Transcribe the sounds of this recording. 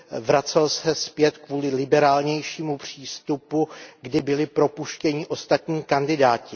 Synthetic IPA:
vɾat͡sɛlsɛspjɛt̪kvuːlɪlɪbɛɾaːlɲɛjʃiːmupr̝̥iːst̪upuɡdɪbɪlɪpɾo̞puʃcɛɲɪʔo̞st̪at̪ɲiːkandɪdaːcɪ

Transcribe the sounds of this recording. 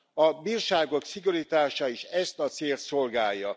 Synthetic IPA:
ɒbiːrʃaːɡo̞ksiɡoɾit̪aːʃɒiːʃɛst̪ɒt̪seːlt̪so̞lɡaːjːɒ

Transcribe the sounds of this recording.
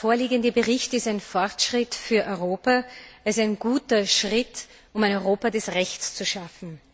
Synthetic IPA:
foːɐliːɡəndəbəʁɪçtɪstaɪnfɔʁtʃʁ̥ɪtfyːɐʔɔʏʁoːpaɛsaɪnɡuːtɐʃʁɪt | ʊmæɪnɔʏʁoːpadɛsʁɛçt͡st͡suʃafn̩

